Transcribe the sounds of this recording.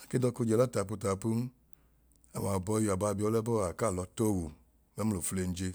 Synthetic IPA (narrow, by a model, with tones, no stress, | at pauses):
a˨ke˦dɔ˧ku˧˦d͡ʒɛ˨la˦ta˨p̬u˧ta˨pu˦n˦ | a˨m˨a˨bɔ˧jo˨a˨ba˧bi˧ɔ˧˦lɛ˦bɔ˦a˨ka˦˨lɔ˨˧to˦˨wu˨ | mɛ˨˦m̩˦lo˨fu˧le˧n̩˦d͡ʒe˧